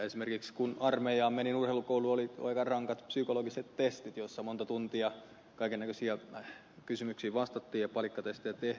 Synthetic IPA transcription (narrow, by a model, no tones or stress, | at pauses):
esimerkikskunɑrmejɑːmmeninurheilukouluolio̰ikɑrɑŋkɑt̪psykoloɡiset̪t̪est̪it̪josːɑmont̪ɑt̪unt̪iɑ | kɑikenːækøsiæ | kysymyksiːʋɑst̪ɑt̪ːiːjjɑpɑlikːɑt̪est̪ejæt̪eh